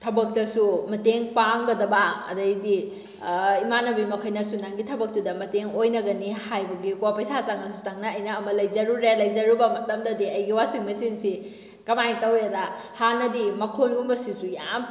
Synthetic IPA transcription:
tʰɐbɐk̚dɐsumɐteŋpaŋɡɐdɐbaɐ̰dɐjdi | imanɐbimɐkʰɐjnɐsunaŋɡitʰɐbɐk̚tudɐmɐteŋojnɐɡɐnihajbɐɡikuapɐjsat͡ʃaŋɐsut͡ʃaŋnɐɐjnɐːmɐlɐjzɐɾuɾelɐjd͡ʒɐɾubɐmɐtɐmdɐdiɐjɡiwasiŋmɐsinsi | kɐmajtɐwedahanɐdimɐkʰonumbɐsisujam

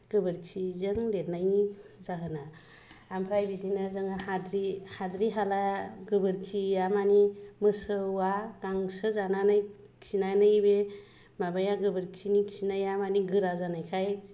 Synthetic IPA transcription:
ɡ̥ɯbɯɾksʰizɯŋdet̚najzaɦɯnaː | mpʰɾajbidinazɯŋahadɾihadɾiɦalaɡɯbɯɾkʰiamanimɯsɯwaɡ̥aŋsɯzananaj | ksinanɯjbe | mabajaɡɯbɯɾksʰiniksʰinajamaniɡɯɾazanajkʰaj

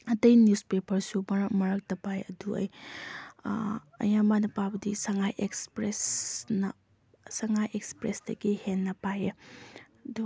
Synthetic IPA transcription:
ɐtɐjnuspepɐɾsumɐɾɐkmɐɾɐk̚tɐpajɐduɐ̰j | ɐ̰jamanɐpawbɐdisɐŋajʔekspɾesnɐ | sɐŋajʔekspɾesd̥ɐ̰ɡihenːɐpaje | du

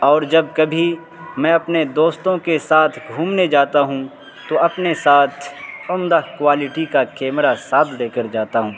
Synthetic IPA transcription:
ɔːɾd͡ʒɐb̚kɐbʱi | mɛ̃ɐpned̪oːst̪õkesaːt̪ʰɡʱuːmned͡ʒaːt̪aɦũ | t̪oɐpnesaːt̪ʰʊmd̪akwaːlɪʈikakɛːmɾasaːd̪ʰleːkəɾd͡ʒaːt̪aɦũː

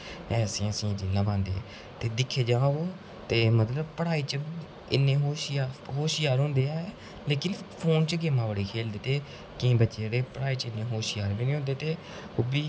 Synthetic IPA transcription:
ɛːsĩːəsĩːd͡ʒiːnãːbãːnd̪ḛː | t̪eːd̪ɪkʰːeːd͡ʒaːoː | t̪eːmət̪ləbpəɽaːiːt͡ʃə | ɪnːẽːɦoːʃaːɦoːʃɪjaːɾɦõːnd̪eːaːɛ | leːkɪnpʰoːnt͡ʃəɡeːmãːʋəɽiːkʰeːld̪eːt̪eː | kɪ̃ːbətːʃeːɽeːpəɽaːiːt͡ʃɪnːẽːɦoːʃɪjaːɾbiːniːɦõnd̪eːt̪eː | oːbiː

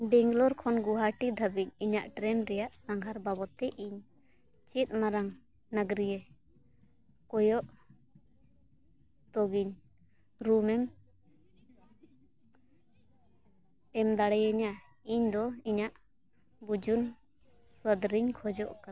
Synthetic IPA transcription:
bɛŋɡlɔɾkʰɔnɡuɦaʈid̪ʱabiɲiɲaʔʈɾɛnɾɛjaʔsaŋɡʱaɾbabɔt̪ɛʔiɲ | t͡ʃit̪̚ˀmaɾaŋ | naɡɾijɛ | kɔjɔʔ | t̪ɔɡiɲ | ɾumɛm | ɛmd̪aɽɛjaɲa | iɲd̪ɔiɲaʔ | bud͡ʒun | səd̪ɾiɲkʰɔd͡ʒɔʔka

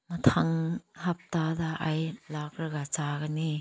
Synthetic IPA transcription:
matʰaŋhap̚tadaʔajlakɾɯɡat͡ʃaɡani

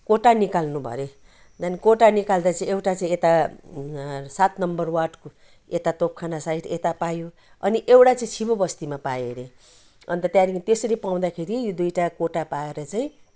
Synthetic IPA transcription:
koʈanikalnubʱʌ̰ɾe | d̪anikoʈanikald̪at͡saĩewʈat͡saĩet̪a | sat̪nʌmbʌrwaʈko | et̪at̪op̚kʰanasaiʈet̪apajo | ʌ̰niʔewʈat͡saĩt͡sʰibobʌst̪imapajeɾe | ʌ̰nt̪ʌt̪jãɾikʰt̪esʌɾipaw̃d̪akʰeɾijod̪ujʈakoʈapaeɾʌt͡saĩ

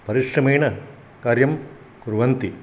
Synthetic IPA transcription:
pɐɾiʂrɐmeːɳɐ | kaːɾjɐm | kuɾʋɐnt̪i

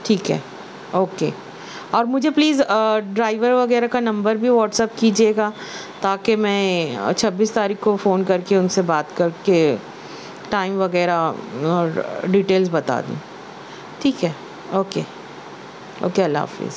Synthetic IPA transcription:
ʈʰiːkɦɛ̰ː | oːkeː | ɔːɾmʊd͡ʒʱepliːzəɖɾaːɪʋəɾʋɐɣɛːɾakanɐ̃mbəɾbʱiʋɔːʈsɛp̚kiːd͡ʒieːɡaːt̪aːkemɛ̃t͡ʃʰɐbːiːst̪aːɾiːkkofoːnkɐɾkeʊnsebaːt̪kɐɾke | ʈaːɪmʋɐɣɛːɾaɔːɾɖiːʈeːlzbɐt̪a̰ːd̪ṵ̃ː | ʈʰiːkɦɛː | oːkeː | o̰ːkeɐlːa̰a̰fḭːz

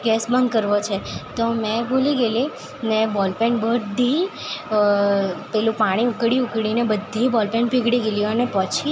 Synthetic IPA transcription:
ɡɛsbənd̪kəɾʋot͡ʃʰet̪omɛ̃bʱoliɡeli | nebɔlpɛɳbəd̪ʱi | pɛlũpaɽ̃iukɽiukɽinebəd̪ʱːibɔlpɛɳpiɡɽiɡeljuənepət͡ʃʰi

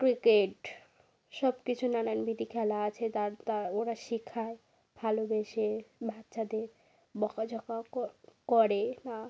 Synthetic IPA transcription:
kɾikeʈ | ʃɔbkit͡ɕʰunananbid̪ikʰɛlaat͡ɕʰet̪aɾt̪aoɾaʃikʰːae | bʱalobeʃebʱat̪ːʃad̪eɾ | bɔkad͡ʑɔkakɔɾena

